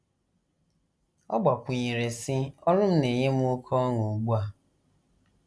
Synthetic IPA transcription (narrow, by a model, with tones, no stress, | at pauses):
ɔ̰˦ɡ͡ba˨kʷʊ˨ɲi˨ɾe˨si˦ɔ˦lʊ˦m̩˦ne˨ɲe˦m˦ʊ˦kʰɔ˦ŋʊ˨ɡ͡bu˦a˨